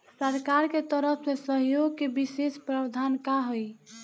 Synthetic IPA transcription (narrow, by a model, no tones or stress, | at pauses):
səɾkaɾket̪əɾəpʰsesəɦjoɡ̚kebisespɾəbd̪ʱankaɦoj